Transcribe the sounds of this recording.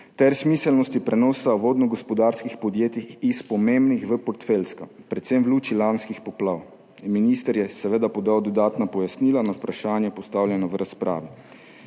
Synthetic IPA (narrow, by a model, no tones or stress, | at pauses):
t̪ɛɾsmiːsɛlnɔst̪ipɾɛnɔːsaʋoːd̪nɔɡɔspɔd̪aːɾskixpɔd̪jeːt̪iispɔmembnixʋəpɔɾt̪felskapɾɛt̪semʋluːt͡ʃilanskixpɔplaːw | minist̪əɾjɛsɛʋed̪apɔd̪aːwd̪ɔd̪aːt̪napɔjasniːlanawpɾaʃaːnjɛpɔst̪awljɛnɔʋɾaspɾʔa̰ːʋi